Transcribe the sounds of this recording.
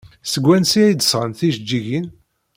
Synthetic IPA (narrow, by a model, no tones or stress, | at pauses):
səɡʷːænsiæjd̪əsʁənθiʒd͡ʒːiʝin